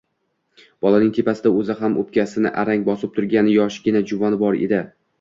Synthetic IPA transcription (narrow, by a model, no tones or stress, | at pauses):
b̥ɒlˠanɪŋt̪ʰe̞pasɪd̪aɵzɪɦamop̚kʲʰasɪnɪ̰ʔaɾaŋbɒsɪp̚t̪ʰʊɾɡʲanɪjɒʃɪɡʲɪnad͡ʒʊvɒnɪbɒɾḛd̪ɪ